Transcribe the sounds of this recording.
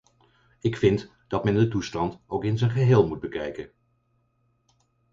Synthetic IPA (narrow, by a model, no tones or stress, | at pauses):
ɪkfɪnt | d̥ɑtmɛndətustɑntowkɪnzənχəɦeːlˠmut̚bəkɛjkən